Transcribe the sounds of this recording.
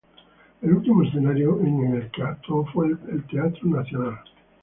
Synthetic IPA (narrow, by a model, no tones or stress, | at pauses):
elult̪imoesθenaɾjoeŋeŋelt̪eat̪ɾofweelt̪eat̪ɾonaθjonal